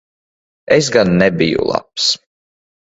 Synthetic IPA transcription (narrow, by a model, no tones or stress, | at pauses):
es̬ɡanːɛbijṵlˠa̰ps